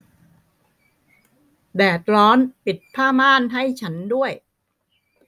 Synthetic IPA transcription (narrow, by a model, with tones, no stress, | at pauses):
bɛː˨˩t̪̚ɾɔː˦˥npi˨˩t̪̚pʰaː˥˩maː˥˩nɦa˥˩jt͡ɕʰa˦˥ndu˥˩əj